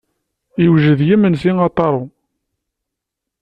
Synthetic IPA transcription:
iwʒəðjimənsiŋɑt̪ˤːɑɾˤu

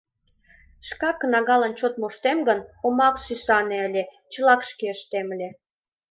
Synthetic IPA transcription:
ʃkɑkːənɑɣɑlənt͡ɕot̪̚muʃt̪emɡənomɑksysɑneəlʲe | t͡ɕəlɑkʃkeəʃt̪eməlʲe

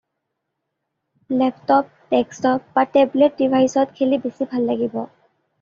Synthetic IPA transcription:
lɛp̚tɔp̚tɛkstɔp̚batɛblɛt̚dibʱajsɔtkʰelibesibʱalːaɡibɔ̰

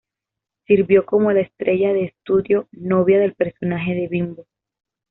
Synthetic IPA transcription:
siɾβjo̞ko̞mo̞laest̪ɾe̞ʝaðe̞ːst̪uðjo̞no̞βjaðe̞lpe̞ɾso̞naxe̞ðe̞βimbo

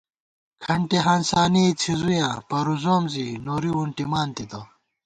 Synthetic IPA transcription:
kʰɐɳʈeɦaːnsaːnit͡ɕʰizujãːpɐɾuzoːmzinoːɾiuɳʈimaːnt̪it̪o

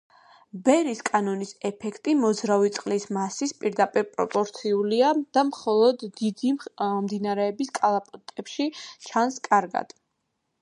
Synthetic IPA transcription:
bɛɾiskʼanɔnisɛpʰɛkʰt̪ʼimɔzɾavit̪sʼqʼlismasispʼiɾd̪apʼiɾpʼɾɔpʼɔɾt̪sʰiuliad̪̥amχɔlˠɔd̪ːid̪imd̪inaɾɛːbiskʼalˠapʼɔt̪ʼɛpʃit͡ʃʰanskʼaɾɡa̰d̪̥

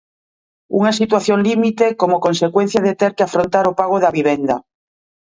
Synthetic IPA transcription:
ṵŋasit̪waθjoŋlimit̪ekomokonsekwen̟θjað̞et̪eɾkeafɾont̪aɾopaɣ̞oðaβiβ̞end̪a̰

